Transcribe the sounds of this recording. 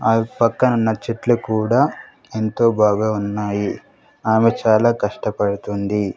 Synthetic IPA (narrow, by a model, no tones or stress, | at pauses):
aːpɐkːɐunːɐt͡ʃeʈlukuːɽaː | ent̪o̞ːbʱaːɡaːunːaːji | aːmet͡ʃaːlaːkɐʂʈɐpɐɽut̪und̪i